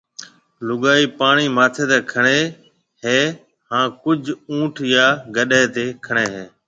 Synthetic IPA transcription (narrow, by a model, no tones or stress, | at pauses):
lʊɠaːiːpaːɳ̃iːmaːt̪ʰeːt̪eːkʰəɳ̃eː | ɦeː | hãːkʊd͡ʒʱũːʈʰjaːɡəɗeːt̪eːkʰəɳ̃eːɦeː